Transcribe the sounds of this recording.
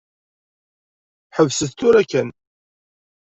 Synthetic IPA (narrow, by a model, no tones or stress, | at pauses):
ħəvsəθt̪ːʊɾækːæn